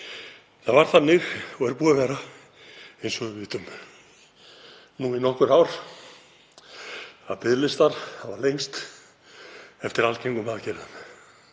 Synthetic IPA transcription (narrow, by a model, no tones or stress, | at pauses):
θavaɾ̥θanːɪɣɔɣɛɾpuːɣavɛɾa | ejnsɔɣʏvɪːt̪ʏm | nuːinɔhkʏɾawɾ | aðpɪðlɪst̪aɾ̥havaɾlejŋst̪ | ɛft̪ɪɾalcejŋkʏmaðcɛɾan